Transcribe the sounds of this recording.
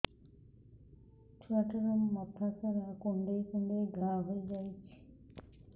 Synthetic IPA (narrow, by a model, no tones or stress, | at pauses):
taʈəɾomːat̪ʰakaɾakoɳɖejkoɳɖeɡʱaɦoed͡ʒajt͡ʃʰi̥